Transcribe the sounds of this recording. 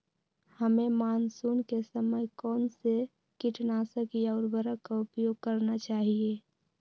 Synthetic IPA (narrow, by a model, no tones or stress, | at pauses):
həmẽmaːnsuːnkesəməjkɔːnse | kɪʈnasəkiaːɾbəɾəkaʊpjoːɡ̚kəɾnat͡ʃaːɦie